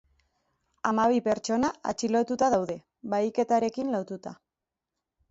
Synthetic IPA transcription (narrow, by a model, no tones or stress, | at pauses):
amaβ̞ipe̞ɾt͡ʃo̞naa̰t͡ʃilo̞t̪ut̪aðawðe̞ | βajke̞t̪aɾe̞kinlo̞t̪ut̪a